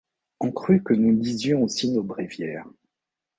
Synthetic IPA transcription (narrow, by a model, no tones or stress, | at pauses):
ɔ̃kχykənulizjɔ̃osinobʁivjɛːʁ